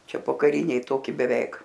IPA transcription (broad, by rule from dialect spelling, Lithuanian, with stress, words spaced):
ˈt͡ʃʲɛ poːkɐˈrʲɪnʲɛɪ ˈtoːkʲɪ bʲɛˈʋʲɛɪk